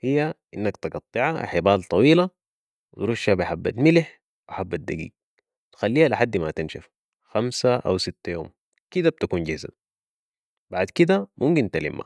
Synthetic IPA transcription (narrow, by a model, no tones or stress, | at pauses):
hijːaʔinːakt̪ɨɡɑt̪ˤːɨʕaħɪbaːlt̪ˤɑwiːla | wit̪ɾuʃːabiħabːat̪mɪlɪħ | wʔħabːat̪̚d̪aɡḭːɡ̚ | t̪xalːiːhaliħad̪ːmat̪inʃaf | xamsaʔa̰wsit̪ːajoːm | kid̪ab̚t̪akuːnɟɪhza̰ | baʕd̪kid̪amʔumkint̪alḭmʔa̰